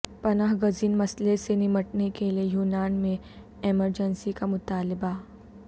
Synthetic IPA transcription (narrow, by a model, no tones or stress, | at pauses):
pɐnaːɦɡɐziːnmɐslesenɪməʈnekeliejuːnaːnmẽ | eməɾd͡ʒənsikamʊt̪aːlɪba